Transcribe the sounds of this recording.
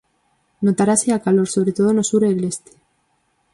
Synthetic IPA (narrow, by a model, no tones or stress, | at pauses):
not̪aɾaseakalo̞ɾso̞β̞ɾet̪o̞ð̞onosuɾele̞st̪e̥